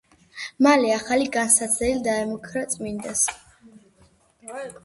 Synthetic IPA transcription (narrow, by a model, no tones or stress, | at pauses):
malɛaχaliɡansat̪sʰɛlid̪aɛmɔkʰɾat̪sʼmind̪ɛs